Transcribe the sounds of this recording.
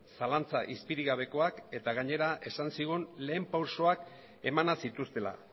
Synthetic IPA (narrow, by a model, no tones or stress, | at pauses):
salant͡saʔispiɾiɣaβ̞e̞ko̞ake̞t̪aɣ̞aɲe̞ɾaʔe̞sansiɣ̞unle̞ːmpawso̞ak | e̞manasit̪ust̪e̞la̰